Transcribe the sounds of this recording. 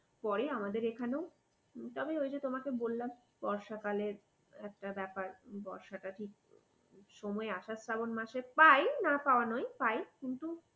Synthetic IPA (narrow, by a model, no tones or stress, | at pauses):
pɔɾeamad̪eɾekʰanew | t̪ɔbeojd͡ʑet̪omakebolːam | b̥ɔɾʃakaleɾ | ɛk̚ʈabɛpaɾbɔɾʃaʈaʈʰik̚ | ʃɔmɔeaʃasabonmaʃepajnapaoanɔjpajkint̪u